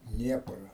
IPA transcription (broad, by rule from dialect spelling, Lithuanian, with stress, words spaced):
ˈdʲnʲiɛprɐ